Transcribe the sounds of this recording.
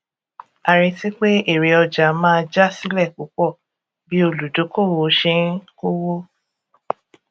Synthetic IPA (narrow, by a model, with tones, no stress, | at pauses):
a˨ɾi˧ti˦k͡pe˦e˦˨ɾe˨ɔ˧d͡ʒa˨mãː˦˧d͡ʒa˦si˦lɛ˦˨k͡po˨˦k͡pɔ˦˨ | bi˨˦o˧lu˨do˨˦ko˦˨wo˨˦ʃẽ˦ko˦wo˦